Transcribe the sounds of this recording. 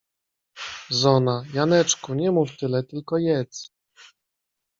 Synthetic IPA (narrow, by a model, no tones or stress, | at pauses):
zɔnajanɛt͡ʂkuɲɛmuft̪ɘlɛt̪ɘlkɔjɛt̪s